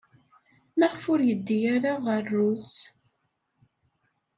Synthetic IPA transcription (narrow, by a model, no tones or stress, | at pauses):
mæʁfʊɾjəd̪ːijaɾaʁərːus